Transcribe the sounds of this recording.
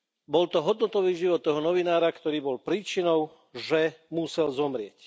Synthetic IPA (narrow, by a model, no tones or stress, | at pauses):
bɔlt̪ɔɦɔd̪nɔt̪ɔʋiːʒiʋɔt̪ːɔɦɔnɔʋinaːɾakt̪ɔɾiːbɔlpɾiːt͡ʃinɔʊ | ʒɛmusɛlzɔmɾɪɛc